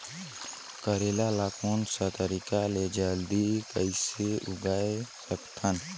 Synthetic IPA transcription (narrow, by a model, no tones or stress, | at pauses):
kəɾelalaːkoːnsət̪əɾikaled͡ʒald̪ikəɪseʊɡaːesəkt̪ʰən